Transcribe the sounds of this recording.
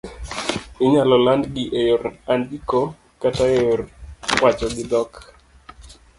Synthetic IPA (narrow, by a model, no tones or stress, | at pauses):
ɪɲalɔlandɡɪʔejoɾandiko | kataejorwat͡ʃɔɡɪd̪ɔk